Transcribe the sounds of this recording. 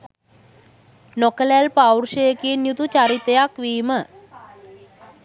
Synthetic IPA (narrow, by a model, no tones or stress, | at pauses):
nokəlælpawɾʃəjəkinjut̪ut͡ʃaɾit̪ejakʋiːmə